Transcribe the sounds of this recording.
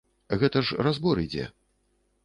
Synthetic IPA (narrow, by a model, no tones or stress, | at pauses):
ɣɛt̪ɐʂrazbɔɾid͡zʲɛ̰